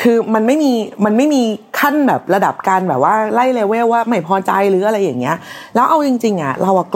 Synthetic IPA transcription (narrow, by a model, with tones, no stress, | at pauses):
kʰɯː˧ma˧nma˥˩jmiː˧ma˧nma˥˩jmiː˧kʰa˥˩nbɛː˨˩p̚ɾa˧da˨˩p̚kaː˧nbɛː˨˩p̚waː˥˩la˥˩jleː˧weː˥˩wwaː˥˩ma˥˩jpʰɔː˧t͡ɕa̰˧jɾɯː˨˦ʔa˧ɾa˧jːa˨˩ŋːi˦˥ɐʔlɛː˦˥wʔa˧wt͡ɕi˧ŋt͡ɕi˧ŋʔa̰˨˩ɾa˧wʔa˨˩k